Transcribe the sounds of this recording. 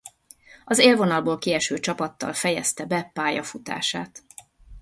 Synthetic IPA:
ɒzeːlvo̞nɒlboːlkiɛʃøːt͡ʃɒpɒt̪ːɒ̰lfɛjɛst̪ɛbɛpaːjɒfut̪a̰ːʃa̰ːt̪

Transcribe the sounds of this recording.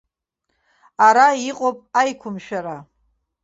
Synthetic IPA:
aɾaiqʼopʼajkʷʰʊmʃᶣaɾa

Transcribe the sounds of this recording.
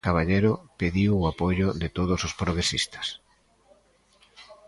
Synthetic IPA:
kaβaʎejɾʊpeðiwʊapoʝʊðɪt̪oðosospɾoɣɾesist̪ɐ̥s

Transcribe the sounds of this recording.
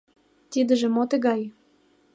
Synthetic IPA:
t̪id̪ə̆ʒĕmot̪ĕɣɑj

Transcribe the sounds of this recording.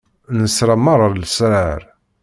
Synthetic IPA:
nəsɾamːɑɾˤəɾlsɾaɾ

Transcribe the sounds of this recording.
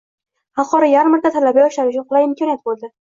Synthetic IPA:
hɑlˠqɒɾajaɾmaɾt̪ʰat̪ʰalabaɒʃlaɾʊt͡ʃʰʊnqʰʊlˠajɪmkʰɒnijat̪̚bolˠd̪ɪ

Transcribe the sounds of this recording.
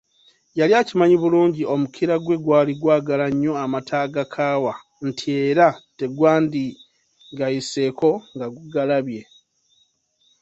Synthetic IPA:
jaljacimaɲiβuluːɲɟio̞mukʰiɾaɡwe̞ɡwaːliɡwaːɡalaɲːo̞amatʰaːɡakʰaːwa | n̩tʰie̞ːɾate̞ɡwaːndi | ɡajise̞ːko̞ŋɡaɡuɡalaβje̞

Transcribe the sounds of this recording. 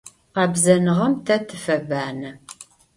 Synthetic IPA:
qɑːbzɐnɨʁɐmtʰɐtʰɨfɐbaːnɐ

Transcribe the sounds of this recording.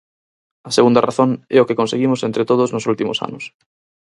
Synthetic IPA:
ɐseɣund̪araθoŋɛʊkekonseɣimʊsent̪ɾet̪oðʊznʊsult̪imʊ̰sa̰nʊs

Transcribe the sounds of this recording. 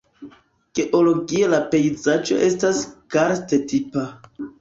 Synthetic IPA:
ɡ̥e̞ʔolo̞ɡielape̞jzad͡ʒo̞̰ʔe̞staskaɾstetipa

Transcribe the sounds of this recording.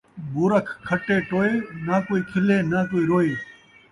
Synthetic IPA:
buːɾəkʰkʰːəʈeːʈoːeːnaːkoːiːkʰɪlẽːnãːkoːiːɾoːeː

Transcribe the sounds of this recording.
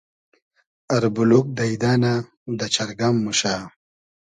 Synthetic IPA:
ɐɾbuluk̚d̪ɐid̪aːna | d̪ɐt͡ʃɐɾɡamːuɕaː

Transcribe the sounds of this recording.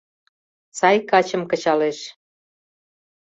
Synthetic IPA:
sɑjkɑt͡ɕə̆mkə̆t͡ɕɑleʃ

